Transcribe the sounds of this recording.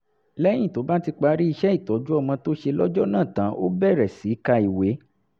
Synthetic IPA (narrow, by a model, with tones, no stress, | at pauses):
lɛ˦j̃ĩ˦˨to˨˦ba˦ti˧k͡pa˧ɾi˦i˧ʃɛ˦i˦˨tɔ˨˦d͡ʒu˦ɔ˦˧˨mã˧to˦ʃe˧lɔ˦d͡ʒɔ˦nã˦˨tã˨˦ʔo̰˦bɛ˦˨ɾɛ˨si˨˦ka˧i˨we˨˦